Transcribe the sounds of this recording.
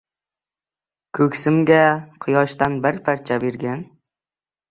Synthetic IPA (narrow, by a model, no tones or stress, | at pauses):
kʰɵkʲsɪmɡʲaqʰɨjɒʃt̪anbɪɾpʰaɾt͡ʃʰabeɾɡʲan